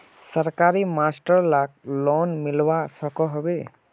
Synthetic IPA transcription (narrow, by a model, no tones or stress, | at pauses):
səɾkaɾimasʈəɾlak̚lɔnmilwasɔkɔɦɔbe